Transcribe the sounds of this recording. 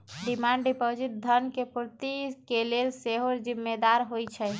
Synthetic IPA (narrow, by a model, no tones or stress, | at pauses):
ɖimaɳɖɖipod͡ʒiʈ̚d̪ʱənkepuɾt̪ikelelseɦoɾd͡ʒimːed̪aɾɦojt͡ʃʰɛ